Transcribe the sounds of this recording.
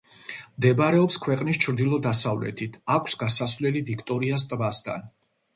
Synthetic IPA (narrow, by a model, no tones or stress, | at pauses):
md̪ɛbɾɛɔpskʰwɛqʼnist͡ʃʰɾd̪ilˠɔd̪asavlɛ̰t̪ʰit̪ʰakʷʰsɡasasvlɛlivikʰt̪ʼɔɾiast̪ʼvast̪ʰa̰n